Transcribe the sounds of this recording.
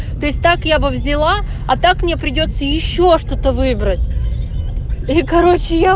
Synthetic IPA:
t̪o̞ɪsʲt̚ʲt̪akjabɨvzʲɪlˠa | ɐt̪akmnʲepɾʲɪdʲot̪səjɪɕːoʂt̪o̞t̪əvɨbɾətʲ | ikɐɾo̞t͡ɕɪja

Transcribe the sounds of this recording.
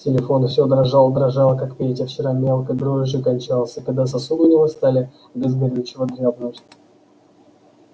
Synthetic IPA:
tʲɪlʲɪfo̞nfsʲod̪ɾɐʐalˠəd̪ɾɐʐɑlˠəkakpʲetʲəft͡ɕɪɾamʲelˠkəjd̪ɾoʐɨkɐnʲt͡ɕalˠsʲəkɐɡd̪as̬ɐsud̪ɨnʲɪvost̪alʲɪ | bʲɪzmʲɪɾʲuɕːɪvəd̪ɾʲavnəətʲ

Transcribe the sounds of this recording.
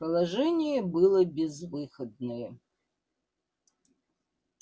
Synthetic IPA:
pɐlˠaʐɛnʲijɛbɨlˠɐbʲɛzvɨxɐd̪nɐjɛ

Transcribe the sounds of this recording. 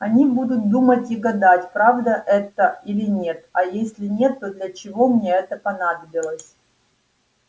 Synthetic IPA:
ɐnʲibud̪ʊt̪̚d̪umətʲiɡɐd̪atʲpɾavd̪əʔɛt̪əilʲɪnʲe̞t̪ɐjesʲlʲɪnʲe̞t̪ːod̪lʲət͡ɕɪvo̞mnʲeɛt̪əpɐnad̪əbʲɪlˠəsʲ

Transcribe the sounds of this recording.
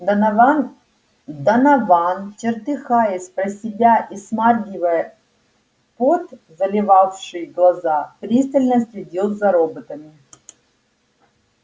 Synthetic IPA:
n | d̪ɐnɐvant͡ɕɪrt̪ɨxajɪsʲpɾɐsʲɪbʲaʔismarɡʲɪvəjə | pot̪zɐlʲɪvafʂɨjɡlˠɐzapɾʲist̪əlʲnəsʲlʲɪdʲot̪zɐɾobət̪əmʲɪ

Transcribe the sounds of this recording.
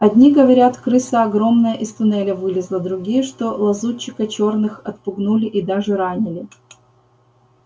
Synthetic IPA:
ɐd̪ʲnʲiɡəvɐɾʲat̪kɾɨsəɐɡɾo̞mnəjəʔɪst̪ʊnɛlʲəvɨlʲɪzlˠəd̪ɾʊɡʲijəʂt̪o̞lˠɐzut͡ɕːɪkət͡ɕo̞rnɨxɐt̪̚pʊɡnulʲɪʔid̪aʐɨɾanʲɪlʲɪ

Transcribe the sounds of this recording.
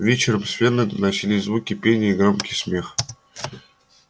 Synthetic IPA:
vʲet͡ɕɪɾəmsʲfʲenɨnɐt͡ɕilʲisʲzvukʲipʲenʲɪiɡromkʲi̥sʲmʲeχ

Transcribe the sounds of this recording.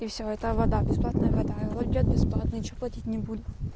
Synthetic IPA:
ifsʲoɛt̪əvɐd̪abʲɪsplˠat̪nəjəvɐd̪aɐlˠolʲɪdʲat̪̚bʲɪsplˠat̪nɨt͡ɕoplˠɐtʲitʲnʲɪbud̪ʲɪt̪

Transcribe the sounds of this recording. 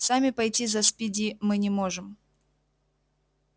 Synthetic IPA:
samʲɪpɐjtʲizɐspʲidʲimɨnʲɪmoʐɨm

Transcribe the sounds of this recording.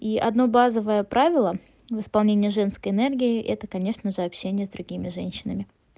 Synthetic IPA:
iʔɐ̰d̪no̞bazəvəjəpɾavʲɪlˠə | vɨspɐlˠnʲenʲɪjəʐɛnskəjɪnɛrɡʲɪɪʔɛt̪əkɐnʲe̞ʂnəʐɨɐpɕːenʲɪjəzd̪ɾʊɡʲimʲɪʐɛnʲɕːɪnəmʲɪ

